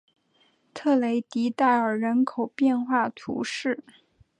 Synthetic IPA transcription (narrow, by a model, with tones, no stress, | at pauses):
t̪ʰɤ˥˩le˧˥ɪt̪i˧˥t̪a˥˩ɪə˞˨˩ɻə˧˥nkʰo˨˩ʊpjɛ˥˧nxwa˥˩t̪ʰṵ˧˥ʂɻ̩˥˩